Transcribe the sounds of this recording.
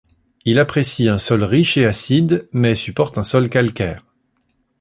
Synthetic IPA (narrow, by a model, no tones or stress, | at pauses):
ilapχesiɛ̃sɔlʁiʃeasid̪mɛsypɔʁt̪ɛ̃sɔlkalkʲɛːʁ